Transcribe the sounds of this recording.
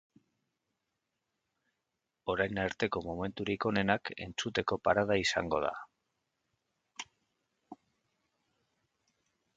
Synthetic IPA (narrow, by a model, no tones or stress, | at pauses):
o̞ɾajnaɾt̪e̞ko̞mome̞nt̪uɾiko̞ne̞nake̞̰nt͡sut̪e̞ko̞paɾað̞aisa̰ŋɡo̞̰ð̞a̰